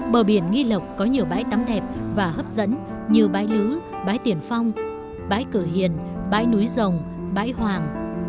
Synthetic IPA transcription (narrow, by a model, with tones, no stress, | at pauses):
ɓəː˨˩ɓi˧˩ənŋi˧lə˨˩wk͡p̚kɔ˨˦ɲi˨˩əwɓa̰ː˧˥jt̪a˨˦mɗɛ˨˩p̚vaː˨˩həː˦˥p̚zə̰˧˥n | ɲi˧əwɓaː˨˧˦jlɨ˨˦ | ɓaː˨˦jt̪i˨˩ənfa˧wŋ͡m | ɓa̰ː˧˥jkɨ˧˩ɦḭ˧˨ənɓa̰ː˧˥jnu˨˦jzə˨˩wŋ͡m | ɓa̰ː˧˥jhwaː˨˩ŋ